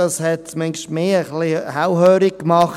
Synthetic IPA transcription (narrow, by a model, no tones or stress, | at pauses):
ɑshɛt̚mɛŋʃtmeːəχlihawhøːɾik̚kmɑχ